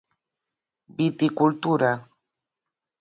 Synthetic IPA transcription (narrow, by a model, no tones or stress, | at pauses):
bɪt̪ɪkʊlt̪ʊɾa